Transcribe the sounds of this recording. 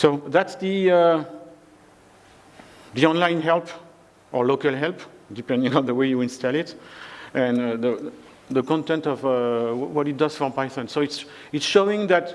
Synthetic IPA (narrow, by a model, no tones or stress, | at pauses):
soðætsðəə | ðiɔ̃nlãj̃nɦɛlp | ʔɔlokalɦɛlpdipɛ̃ndɪ̃ŋɔ̃nðəwejuĩnstalɪtɛ̃nðə | ðəkɔ̃ntɛ̃ntɔvwwʌɾit̚d̪ʌz̥fɔ̃pajsɔ̃nsoits | itsʃoɪ̃ŋðæt